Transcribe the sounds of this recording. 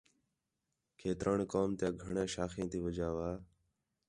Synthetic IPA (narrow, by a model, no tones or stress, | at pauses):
kʰeːt̪ɾʔaːɳkoːmt̪jãːɡʱəɳẽːʃaːxẽːt̪iːʋəd͡ʒaːʋaː